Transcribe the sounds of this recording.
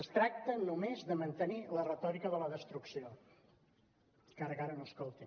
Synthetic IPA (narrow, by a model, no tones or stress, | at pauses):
əst̪ɾak̚t̪ənumezðəmənt̪ənilərət̪ɔɾikəðələðəst̪ɾuksio | kaɾəkaɾənoəskolˠt̪i